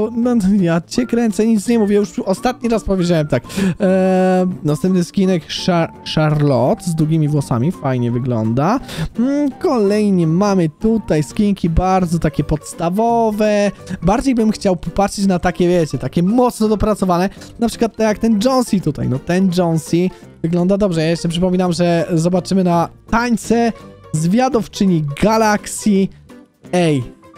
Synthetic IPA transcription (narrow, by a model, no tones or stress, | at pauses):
nɔjat͡ɕɛkɾɛnt̪sɛɲit̪sɲɛmuvʲjɛjuʂɔst̪at̪̚ɲiɾaspɔvʲjed͡ʑawɛmt̪ak | nast̪ɛmp̪̚nɨskʲinɛkʂaʂaɾlɔt̪zd̪ɾuɡʲimʲivwɔsa̰mʲifajɲɛvɘɡlɔ̰nd̪a | kʰɔlɛjɲɛmamɘt̪ut̪ajskʲiŋkʲibaɾd̪zɔt̪akʲɛpɔt̪st̪avɔvɛbaɾd͡ʑejbɘmxt͡ɕawpɔpatʂɘt͡ɕnat̪akʲɛvʲjɛt͡ɕɛt̪akʲɛmɔt̪snɔd̪ɔpɾat̪sɔvanɛ | napʂɘkwat̪ːɛjak̚t̪ɛnd͡ʐɔnsʲit̪ut̪a̰jnɔt̪ɛnd͡ʐɔnsʲi | vɘɡlɔnd̪ad̪ɔbʐɛjajɛʂt͡ʂɛpʂɨpɔmʲinamʐɛzɔbat͡ʂɘmɘnat̪aɲt̪sɛzvʲjad̪ɔft͡ʂɘɲiɡalaksʲi | ɛj